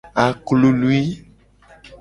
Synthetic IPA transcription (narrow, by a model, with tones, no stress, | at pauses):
a˨klu˦lu˦i˦